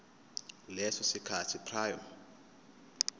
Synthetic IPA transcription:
lɛsɔsikʰatʰipʰraːjɔm

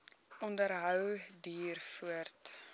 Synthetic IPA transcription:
ʔɔndəɾɦœwdiːrfuərt

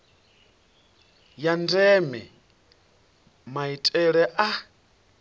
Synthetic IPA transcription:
jandɛmɛ | maitʼɛɺɛʔa

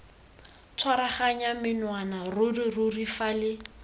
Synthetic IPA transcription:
t͡sʰwaɾaχaɲamɪnwanarʊrirʊrifalɪ

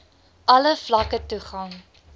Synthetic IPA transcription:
ʔɐləflɐkətuχɐŋ

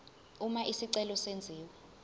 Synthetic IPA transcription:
umaʔisiǀɛlɔsend͡zʱiːwɛ

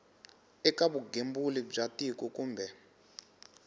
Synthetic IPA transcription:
ɛkaβuɡembulib͡ʐatikukuːmbɛ

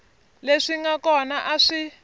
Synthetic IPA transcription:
leʂiŋɡakɔnaʔaʂi

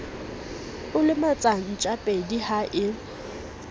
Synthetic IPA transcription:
ʊlɪmat͡sʼaŋit͡ʃʼapʼedihaʔɪ

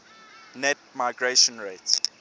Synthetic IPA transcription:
nɛt̚maɪɡɹeʃə̃nɹet

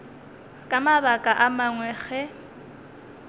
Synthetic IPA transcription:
kʼamabakʼaʔamaŋwɛɣɛ

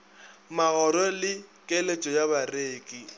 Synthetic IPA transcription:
maɣɔɾɔlɪkʼelet͡ʃʼɔjaβareːkʼi

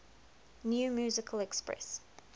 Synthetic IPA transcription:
njuːmjʉːzɪkʰəlɛkspɹɛ̰s

